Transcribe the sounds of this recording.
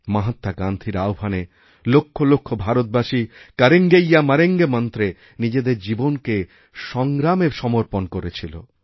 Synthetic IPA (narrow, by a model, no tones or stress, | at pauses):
maɦat̪ːaɡand̪ʱiɾaobʱane | lokʰːolokʰːobʱaɾot̪̚baʃikaɾeŋɡejːamaɾeŋɡemɔnt̪ɾe | nid͡ʑed̪eɾd͡ʑibonke | ʃɔŋɡɾameʃɔmoɾponkoɾet͡ɕʰilo̰